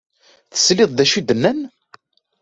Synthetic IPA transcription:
θə̥slɪðˤðæʃid̪ənːæn

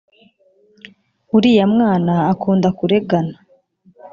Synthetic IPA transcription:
uɾijamŋaːnaːkuːndakuɾe̞ɡana

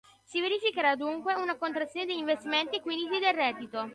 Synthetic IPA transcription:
siveɾifikeɾad̪uŋkweunakont̪ɾat̪sːjoːned̪eiɱvest̪iment̪ikwind̪it̪id̪elrːɛːd̪ːit̪o

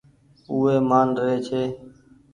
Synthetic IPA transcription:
uːɦeːmaːnɾeːt͡ʃʰeː

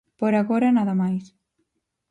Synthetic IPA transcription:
poɾaɣɔɾanaðamajs

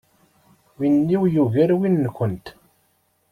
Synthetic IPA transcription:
winːiwjuɣæɾwinːkʷənt̪

